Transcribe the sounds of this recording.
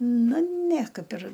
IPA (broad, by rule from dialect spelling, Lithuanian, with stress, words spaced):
ˈnʊ nʲɛ ˈkɐɪp ɪr